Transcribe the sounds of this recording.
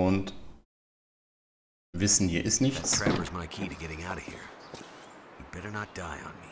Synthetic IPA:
ʊnt | vɪsn̩viːɐʔɪstnɪçtʰɹ̥ævə˞zmaɪkʰiɾɨɡɛɾɪ̃ŋaʊɾʌv̥hḭɹ | jub̥ɛɾə˞nət̚d̥aɪə̰̃nmi

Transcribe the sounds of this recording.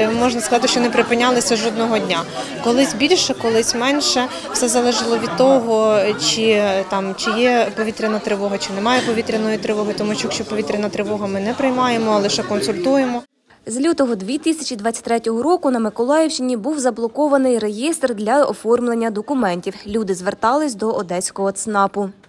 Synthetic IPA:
mɔʒnɐskɐzɑt̪̬ɪʃt͡ʃɔnepɾɪpɪnʲːɑlˠɪsʲɐʒɔd̪nɔɦɔdʲnʲakɔlˠɪsʲbʲilʲʃɛkɔlˠɪsʲmɛnʲʃɛ | wsɛzɐlˠɛʒɪlˠɔʋʲid̪̚t̪ɔɦɔt͡ʃit̪ɑmt͡ʃɪjɛpɔʋʲit̪ɾʲɪnɐt̪ɾɪʋɔɦɐt͡ʃɪnɛmɑjɛpɔʋʲit̪ɾʲɐnɔjit̪ɾɪʋɔɦʊjt̪ɔmuʃt͡ʃɔkʃt͡ʃɔpɔʋʲit̪ɾʲɐnɐt̪ɾɪʋɔɦɐmɪnɛpɾɪjmɑjemɔɐlˠɪʃɛkɔnsʊlʲt̪ujemɔ | zʲlʲut̪ɔɦɔd̪ʲʋʲit̪ɪsʲɐt͡ʃʲid̪ʋɑt͡sʲːɐ̥tʲt̪ɾɛtʲɔɦɔɾɔkʊnɐmɪkɔlˠɑjɛwt͡ʃɪnʲibuwzɐblˠɔkɔʋɐnɪjre̞jist̪rd̪lʲɐɔ̰fɔrmlˠenʲːɐd̪ɔkʊmɛnʲtʲiwlʲud̪ɪzʋert̪ɑlˠɪsʲd̪ɔʔɔd̪ɛsʲkɔɦɔt̪snɑpʊ

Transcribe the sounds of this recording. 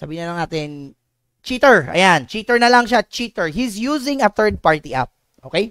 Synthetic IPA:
sabiːɪnɐlɐŋnaːt̪ɪn | t͡ʃit̪ɛɹɐ̰jant͡ʃiːt̪ɛɹnɐlɐŋʃat͡ʃit̪ɛɹhisjuːsɪŋɐθɛɹd̪̚paɹt̪iʔa̰p̚ | ʔokej

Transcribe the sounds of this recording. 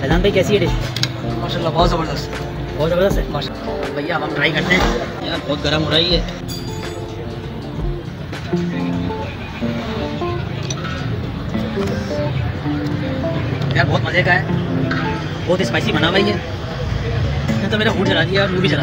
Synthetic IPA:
mɛːd̪aːnb̪aikɛːsieɖɪ | maːɾʃaːlːabɔːt̪zɐbəɾd̪əst̪ | bɔːt̪zɐbəɾd̪əst̪ɦɛmaːʃabʱɐjabaʈɾaːikɐɾt̪ẽɦɛ̃meːɾabɔːt̪̚ɡɐɾəmɦoːɾaiɦɛː | meːɾabɔːt̪̚mɐlekaɦɛː | bɔːt̪ɪspaːsimɐnaʋaːiɦɛː | ɪnt̪ameːɾaɦuːnt͡ʃɐlad̪ijaɔɾmũbʱit͡ʃɐla

